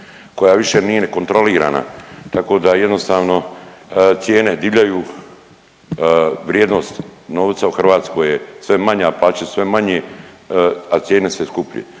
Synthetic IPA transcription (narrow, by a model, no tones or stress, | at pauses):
ko̞jaʋiʃe̞niːje̞neko̞nt̪ɾo̞liːɾa̰ːna̰t̪ako̞ːd̪aje̞d̪nost̪aːʋno̞ | t̪sje̞ːne̞d̪iʋʎajuː | ʋɾjeːd̪no̞st̪no̞ːʋt̪sauxr̩ʋaːt̪skojesʋe̞maɲaplaːt͡ɕasʋe̞maɲe | at̪sjeːne̞seskupʎḛ